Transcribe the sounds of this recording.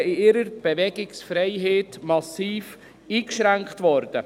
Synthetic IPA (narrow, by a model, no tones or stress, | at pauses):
ɪɪɾəɾb̥evɛɡɪksfɾɛɪɦeːtmɑsiːf | iːkʃɾæŋkχtʋɔɾd̥ə